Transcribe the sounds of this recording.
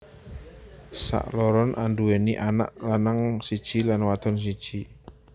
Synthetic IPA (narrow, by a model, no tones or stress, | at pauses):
sa̰ʔlɔɾɔnʔandueniʔana̰ʔlanaŋsid̥ʒ̥ilanwat̪ɔns̬id̥ʒ̥i